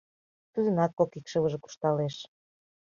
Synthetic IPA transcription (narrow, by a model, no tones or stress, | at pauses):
t̪ud̪ə̆nɑkːokikʃə̆lə̆ʒĕku̥ʃt̪ɑleʃ